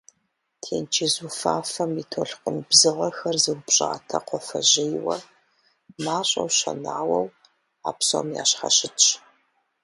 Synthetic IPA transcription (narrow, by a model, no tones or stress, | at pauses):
tʰeːnt͡ʃʰizufaːfɐmitʰoɬqʷʼʊnbzɨʁɐxɐrzɨwpɕʼaːtʰɐqʷɔfɐʑɪjwɐ | maːɕʼɐwɕɐ̰naːwɐw | a̰ːpso̰mja̰ːɕχɐɕɪ